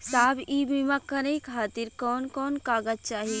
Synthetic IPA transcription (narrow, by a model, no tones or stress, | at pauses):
saːbibimãkɐɾeikʰaːt̪iɾkɔːnkɔːnkaːɡəd͡ʒt͡ʃaːɦi